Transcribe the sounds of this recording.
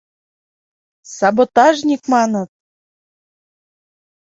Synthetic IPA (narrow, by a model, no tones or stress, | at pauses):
sɑbot̪ɑʒnʲikmɑnə̆t̪̚